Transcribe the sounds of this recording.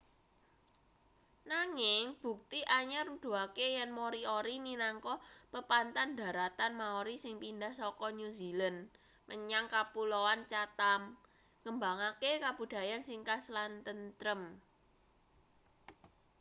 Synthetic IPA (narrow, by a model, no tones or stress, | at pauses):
naŋɪŋb̥ṳk̚t̪iʔaɲarud̪̥ṳakejɛnmoɾioɾiminaŋkɔpəpant̪and̪̥a̤ɾat̪anmaoɾisɪŋpindahsɔkɔɲuzilən | məɲaŋkapulowant͡ʃat̪am | kəmbaŋakekab̥ṳd̪̥ä̤jansɪŋkaslant̪ənt̪ɾəm